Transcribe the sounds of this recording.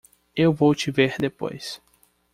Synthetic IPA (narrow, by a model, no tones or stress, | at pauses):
ewvowt͡ʃiveɾd̪epo̰js